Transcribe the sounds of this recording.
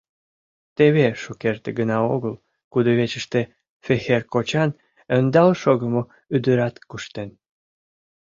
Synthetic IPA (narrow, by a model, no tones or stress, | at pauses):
t̪eβeʃukert̪eɡənɑoɣəl | kud̪oβet͡ɕəʃt̪e | fexerkot͡ɕɑn | ənd̪ɑlʃoɣəmo | yd̪əɾɑt̪kuʃt̪en